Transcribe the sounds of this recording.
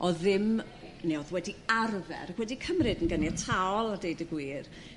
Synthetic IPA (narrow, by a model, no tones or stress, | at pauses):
ʔɔðɪm | neɔðwɛdiarvɛ̰ɾakwɛdikʰəmrɨdənɡənjatʰaɔlˠadejdəɡwiːr